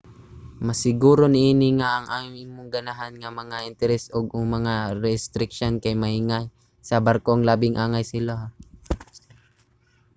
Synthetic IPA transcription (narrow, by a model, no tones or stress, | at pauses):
mɐsɪɡuːɾo̞nɪʔiːnɪŋaʔɐŋʔaːmɪŋmʊŋɡɐnaɦanŋɐmɐŋaʔɪnt̪ɛɾɛsʔoɡ̚ʊŋmɐŋaɾɛst̪ɾɪk̚ʃonkɐjmɐhɪŋaj | sɐbɐɾkoŋlaːbɪŋʔaːŋajsɪla